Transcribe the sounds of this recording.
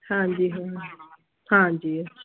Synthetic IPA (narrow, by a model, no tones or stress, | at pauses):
hãɲd͡ʒiɦã | hãɲd͡ʒiː